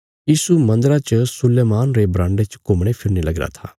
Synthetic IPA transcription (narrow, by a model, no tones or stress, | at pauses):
jiːsumɐ̃nd̪ɾat͡ʃəsʊleːmaːnɾebɾãːɳɖet͡ʃkʊmɽ̃epʰɪɾnilɐɡɾa̰t̪ʰa̰ː